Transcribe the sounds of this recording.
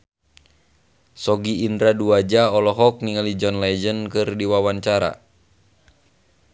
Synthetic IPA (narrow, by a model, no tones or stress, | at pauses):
sɔɡiːnd̪ɾaduad͡ʒaɔlɔɦɔk̚niŋalid͡ʒɔnlɛd͡ʒənkɨrdiwawaɲt͡ʃaɾa̰